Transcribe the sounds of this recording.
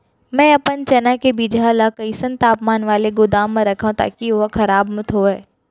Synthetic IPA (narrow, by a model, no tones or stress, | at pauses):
mɛ̃ːɐpənt͡ʃɐnakebid͡ʒʱalakɐisə̃nt̪aːpmaːnʋaːleɡʊd̪aːmːãɾɐkʰaõt̪a̰ːkioɦkʰɐɾaːbmʊt̪ʰɦoːɛː